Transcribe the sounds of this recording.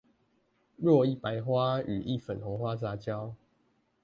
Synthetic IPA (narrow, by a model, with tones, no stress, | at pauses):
ɻwɔ˥˨i˥˨pa˧˦ɪxwa˦y˨˩ʔi˥˨fə˨˩nxɔ˨˦xwa˦sa˨˦t͡ɕjɑ˦ʊ